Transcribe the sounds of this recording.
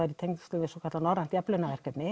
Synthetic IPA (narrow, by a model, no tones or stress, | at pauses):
aɾit̪ʰejŋknslʏːvɪsɔkʰat̪lanɔɾant̪japlʏnavɛr̥kɛt̪nɪ